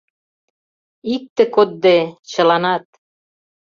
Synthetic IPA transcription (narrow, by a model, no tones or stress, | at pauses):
ik̚t̪ĕkot̪̚d̪et͡ɕə̆lɑnɑt̪̚